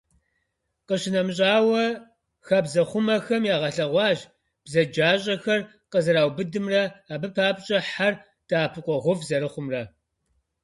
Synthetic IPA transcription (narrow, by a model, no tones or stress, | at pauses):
qəɕɪnɐmɕ̬ʼaːwɐ | xɐbzɐχʷʊmɐxɐmjaːʁɐɬɐʁʷɑːʒ | b̥zɐd͡ʒaːɕʼɐxɐr | qəzɨɾaːwbɨdɨmrɐaːbɨpʰaːbɕʼɐħar | d̥aːpʰɨqʷɔʁʷʊvzɐɾɨχʷʊmrɐ